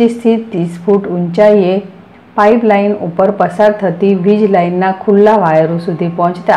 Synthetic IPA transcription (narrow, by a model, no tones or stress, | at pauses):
ist̪ʰiːt̪ːisfuːʈuɲt͡ɕaje | paiplainupəɾpəsaɾt̪ʰət̪iːʋid͡ʑlainːakʰulːaʋajɾusud̪ʱipɔ̃t͡ɕt̪a